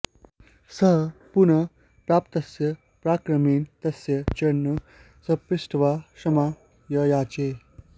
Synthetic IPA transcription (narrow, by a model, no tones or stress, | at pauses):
səɦpunɐ | pɾaːpt̪ɐsjɐ | pɾaːkɾɐmiːnt̪ɐsjɐt͡ɕɐnːu | sɐpɾisʈʰʋaʂɐma | jɐjaːt͡ɕe